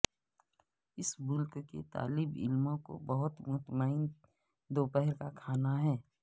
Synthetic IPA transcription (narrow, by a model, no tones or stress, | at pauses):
ɪsbʊlkkḛt̪a̰ːlɪbɪ̰lmõko̰bəɦʊt̪mʊɦt̪maːɪn | d̪oːpɛɦɛɾkakʰaːnaɦɛː